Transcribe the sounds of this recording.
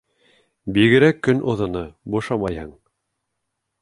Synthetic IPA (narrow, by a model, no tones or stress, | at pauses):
biɡɘ̆ɾækːɵnʔŏðŏnɤbuʃɑmɑjhɤɴ